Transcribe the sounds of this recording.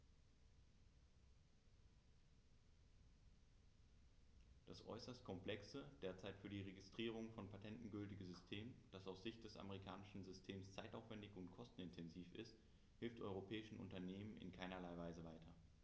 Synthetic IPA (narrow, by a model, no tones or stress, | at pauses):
d̥asʔɔ̰ʏsɐstkʰɔmpl̥ɛksəd̥eːɐt͡saɪtfyːɐdiːʁeɡɪstʁ̥iːʁ̞ʊŋfɔnpʰatʰɛntn̩ɡʏltɪɡn̩zʏstʰeːmənd̥asaʊsz̥ɪçt̚d̥ɛsa̰məʁ̞ikʰaːnɪʃn̩zʏstʰeːmst͡saɪtaʊfv̥ɛndɪçʊntkʰɔstn̩ɪntʰɛnziːfɪ̰st | hɪlftʔɔʏʁopʰɛːɪʃn̩ʔʊ̰ntɐneːmənɪ̰nkʰaɪnɐlaɪvaɪzəvaɪtʰɐ